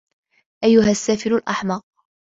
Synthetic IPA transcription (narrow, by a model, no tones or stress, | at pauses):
ʔajːʊɦasːaːfɪɾʊlʔɑħmɑq̚